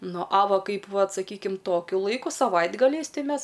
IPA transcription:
ˈnʊ ɐ ˈʋɐ ˈkɐɪp ˈʋɐt sɐˈkʲiːkʲɪm ˈtoːkʲʊ ˈlˠɐɪkʊ sɐˈʋɐɪdɡɐlʲɛɪs ˈtɐɪ ˈmʲɛs

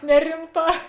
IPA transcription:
ˈnʲæːrʲɪmˌtɑː

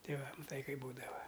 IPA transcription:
ˈtʲɛɪ ˈʋɐ mɐˈtɐɪ ˈkɐɪp ˈbuːdɐʋɐ

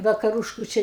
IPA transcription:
ʋɐkɐˈrʊʃkʊ ˈt͡ʃʲɛ

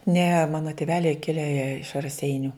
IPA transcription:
nʲɛ ˈmɑːnoː tʲɪˈʋʲæːlʲɛɪ ˈkʲɪlʲɛ jiɛ ɪʃ rɐˈsʲɛɪnʲʊ

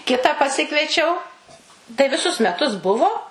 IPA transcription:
ˈkʲɪtɑː pɐˈsʲɪkʋʲiɛt͡ʃʲɛʊ tɐɪ ʋʲɪˈsʊs mʲɛˈtʊs ˈbʊʋoː

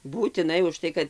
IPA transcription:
buːtʲɪˈnɐɪ ʊʃˈtɐɪ kɐt

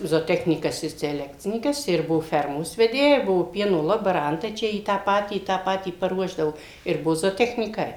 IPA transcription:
zoːˈtʲæːxʲnʲiːkɐs ɪ sʲɛˈlʲæːkt͡sʲɪnʲiːkɐs ɪr ˈbʊʋoː ˈfʲɛrmoːs ʋʲɛˈdʲeːjɛ ˈbʊʋoː ˈpʲiɛnoː lˠoːbɐˈrɐntɐɪ ˈt͡ʃʲɛ iː ˈtɑː ˈpɑːtʲiː ˈtɑː ˈpɑːtʲiː pɐˈruɔʒdɐoː ɪr ˈbuɔ zoːtʲɛxʲnʲiːˈkɐɪ

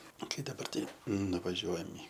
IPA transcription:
ˈkɐɪ dɐˈbɐr ˈtɐɪ nʊʋɐˈʒʲuɔjɛm ɪ

